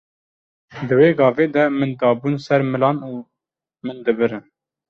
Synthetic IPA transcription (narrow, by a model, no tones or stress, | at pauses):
d̪ɨweːɡɑːveːd̪ɛmɨnd̪ɑːbuːnsɛɾmɨlɑːnuː | mɨnd̪ɨbɨɾɨn